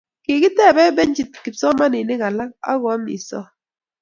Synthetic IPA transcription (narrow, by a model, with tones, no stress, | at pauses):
kɪ˨kɪ˦tɛ˦˨bɛ˦bɛ˦ɲ˦d͡ʒi˨t̚ki˨psɔ˦ma˦nɪ˨nɪ˦ka˨la˦k̚a̰˦ɣɔ˨˦mḭ˨sɔ̰˦